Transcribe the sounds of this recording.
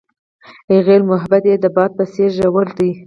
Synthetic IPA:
eɣelmʊɦabat̪jed̪əbɑd̪̚pəseʒawəld̪i

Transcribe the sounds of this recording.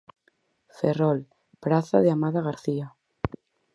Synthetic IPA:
ferɔl | pɾaθaðeamaðaɣaɾθia

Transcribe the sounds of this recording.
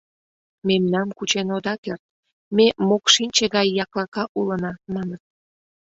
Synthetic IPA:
memnɑmkut͡ɕenod̪ɑkert̪̚ | memokʃinʲt͡ɕeɣɑjːɑklɑkɑʔulənɑmɑnət̪̚

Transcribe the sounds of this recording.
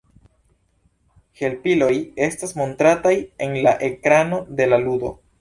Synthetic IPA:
he̞lpilo̞je̞stasmo̞ntɾataje̞nlaʔe̞kɾano̞de̞laludo̞̰

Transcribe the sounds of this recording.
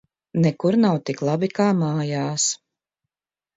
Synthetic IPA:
nɛkuɾnawt̪iklˠabikaːmaːjaːs

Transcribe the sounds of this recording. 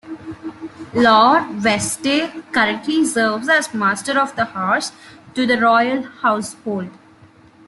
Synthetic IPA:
lɔːɾʋɛsʈekəɾə̃ɳʈlisəːɾʋzæzmaːsʈəɾɔʋd̪əhaːɾsʈud̪əɾɔːɪəlhaʊshoːlɖ

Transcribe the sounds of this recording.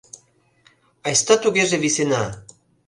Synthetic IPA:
ɑjst̪ɑt̪uɣeʒeβisenɑ

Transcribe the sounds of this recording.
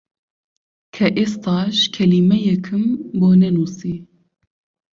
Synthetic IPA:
kʰɛʔest̪ʰɑːʃkʰɛlimɛjɛkʰɨmboːnɛnuːsiː

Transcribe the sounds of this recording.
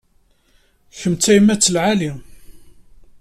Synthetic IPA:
çəmt͡sæjmæt͡sːəlʕali

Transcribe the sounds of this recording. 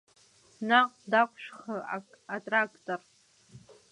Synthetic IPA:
naqʷʼdakʷʰʼʃᶣχa | atʼrakʰʼtʼor

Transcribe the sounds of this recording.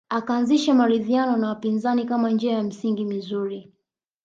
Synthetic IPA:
akaːnziʃamaɾiðianɔnawapinzanikamand͡ʒɛajam̩siŋɡimizuɾi

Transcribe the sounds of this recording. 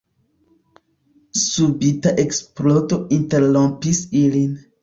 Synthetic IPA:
subitaʔeksplotoĩnteɾlõmpisilin

